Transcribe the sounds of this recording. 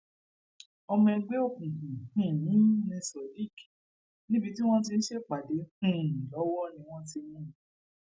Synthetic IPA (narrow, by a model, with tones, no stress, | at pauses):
ɔ˧mɛ̃˧˦ɡ͡be˦o˦˨kũ˨kũ˨hĩ˦˨nĩ˨˦nĩ˧sɔ˨di˦˨k | nĩ˦bi˧ti˦w̃ɔ̃˦t̬i˧n̩˦ʃe˦˨k͡pa˨de˨˦hũ˦˨lɔ˨˦wɔ˦˨nĩ˧w̃ɔ̃˦t̬i˧˦mũ˦˨